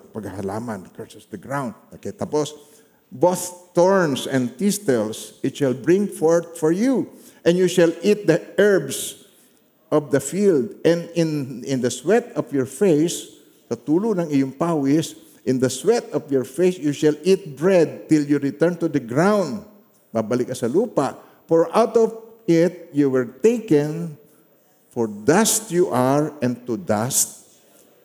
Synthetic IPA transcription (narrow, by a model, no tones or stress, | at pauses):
pɐɡhahɐla̰ːmankɛɹsɛsd̪ɐɡɹawnd̪̚nɐkɛt̪apos | boθt̪ɔɹnsɛ̃nd̪̚pist̪ɛlsɪt̪ʃalbɹɪ̃ŋfɔɹt̪̚fɔɹju | ʔɛ̃njuʃalʔit̪̚d̪ɐʔɛɹbs | ʔɔvd̪ɐfild̪ʔɛ̃nd̪ɪ̃nɪ̃nd̪ɐswɛt̪ɔvjɔɹfejs | sɐt̪uːlʊnɐŋɪjʊŋpawɪs | ʔɪ̃nd̪ɐswɛt̪̚ɔfjɔɹfejsjuʃalʔit̪̚bɹɛd̪̚t̪ɪljuɹɪt̪ɛɹnt̪ud̪ɐɡɹãwnd̪ | babɐlɪkːɐsɐluːpaʔ | fɔɹʔawt̪ɔvɪt̪̚juwɛɹt̪ejkɛ̃n | fɔɹd̪ast̪juʔaɹɛ̃nd̪̚t̪ud̪ast̪̚